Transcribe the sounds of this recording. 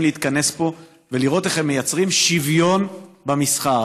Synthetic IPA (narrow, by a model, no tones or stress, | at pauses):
mliit̪kane̞spo̞ | veliʁo̞t̪e̞χemːejat͡sʁimʃivjo̞nbamisχa